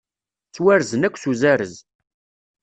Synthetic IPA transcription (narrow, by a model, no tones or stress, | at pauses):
t͡sːwæɾzənækʷːsuzæɾə̰z